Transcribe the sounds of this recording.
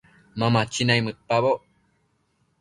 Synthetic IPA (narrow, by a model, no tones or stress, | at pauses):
mamat͡ʃinaimɨpaβo